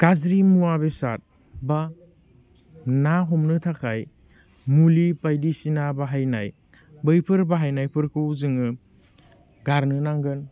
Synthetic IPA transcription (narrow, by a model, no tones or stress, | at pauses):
kazɾimuwabesa̰t̚ | ba | naɦɔmnɯtʰakʰaj | mulipajdisinabaɦajna̰j | bɯjpʰɯɾbaɦajnajpʰɯɾkʰɯwzɯŋɯ | ɡaɾnɯnaŋɡɯn